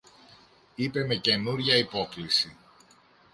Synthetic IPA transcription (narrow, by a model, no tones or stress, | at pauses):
ipe̞me̞ce̞nuɾʝɐipo̞klisi